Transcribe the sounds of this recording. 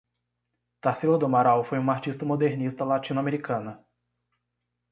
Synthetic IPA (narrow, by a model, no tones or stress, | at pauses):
t̪aɾsilod̪omaɾawfojũmɐaɾt͡ʃist̪ɐmod̪eɾnist̪ɐlat͡ʃĩnuameɾikɐ̃nɐ